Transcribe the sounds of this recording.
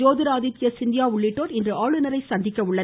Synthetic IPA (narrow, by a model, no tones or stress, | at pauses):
oːðɪɾaːðɪt̪ːɪjɐsɪnd̪ɪjaːʊɭːɪʈːoːɾɪndrɯʔaːɭɯnɐɾɐɪsɐnd̪ɪkːɐɯɭːɐ